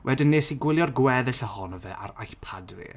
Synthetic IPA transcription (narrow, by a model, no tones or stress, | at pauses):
wʔɛdɪnːeːsiɡwɪlˠjɔrɡwɛðɨɬəhɔnəvɛʔa̰ɾajɬpʰadrḭ